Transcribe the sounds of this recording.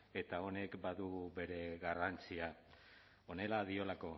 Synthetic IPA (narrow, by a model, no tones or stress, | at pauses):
e̞t̪ao̞ne̞kbaðuβe̞ɾe̞ɣarant͡sia | o̞ne̞laðio̞lako̞